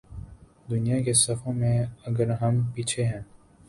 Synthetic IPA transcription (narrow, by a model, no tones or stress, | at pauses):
d̪ʊnijakesɐfʰõmẽɐɡəɾɦɐmpiːt͡ʃʰeɦɛ̃ː